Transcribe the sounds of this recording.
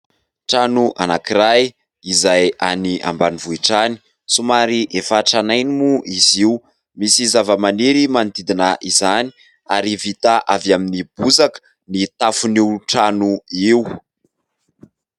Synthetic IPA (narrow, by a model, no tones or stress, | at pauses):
ʈ͡ʂanuʔa̰nakiɾaj | izaja̰niʔa̰mbanivuiʈ͡ʂani̥ | sumaɾiʔefaʈ͡ʂanajnimuʔiziw | misizavəmaneɾimanid̪id̪inəʔizani̥ | aɾivit̪aʔavaminib̥uzakə̥ | nit̪afuniuʈ͡ʂanuiw